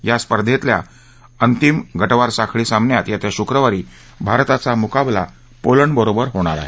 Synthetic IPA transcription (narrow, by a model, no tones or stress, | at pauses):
jaspəɾd̪ʱet̪lja̰ | ənt̪imɡʱəʈʋaɾsakʰɭiːsãmbnjat̪jat̪jaɕukɾəʋaɾiː | bʱaɾt̪at͡samukabla̰ | poləɳbəɾobəɾɦoɽ̃aɾa̰ɦe